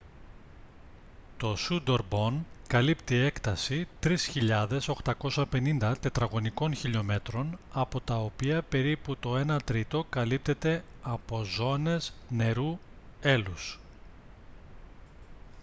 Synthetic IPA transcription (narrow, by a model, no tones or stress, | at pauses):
t̪o̞sud̪o̞ɾbo̞nkɐlipt̪ie̞kt̪ɐsit̪ɾisçiʎɐðe̞so̞xt̪ɐko̞sɐpe̞nind̪ɐt̪e̞t̪ɾɐɣo̞niko̞nçiʎo̞me̞t̪ɾo̞nɐpo̞t̪ɐo̞piɐpe̞ɾiput̪o̞e̞nɐt̪ɾit̪o̞kɐlip̚t̪e̞t̪e̞ɐpo̞zo̞ne̞zne̞ɾue̞lus